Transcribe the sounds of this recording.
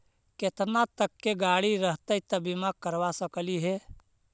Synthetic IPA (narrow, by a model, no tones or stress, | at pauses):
ket̪nat̪əkːeɡaːɽiɾəɦt̪ət̪əbimakəɾʋasəkliɦe